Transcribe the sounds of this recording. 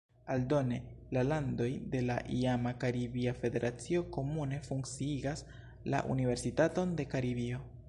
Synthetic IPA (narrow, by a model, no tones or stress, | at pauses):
aldo̞ne̞ | lalando̞jde̞laʔiamakaɾibiafe̞de̞ɾʔat͡sio̞ko̞mune̞fuŋk̚t͡siiɡas | la̰ʔṵnive̞ɾsitato̞nde̞kaɾibio̞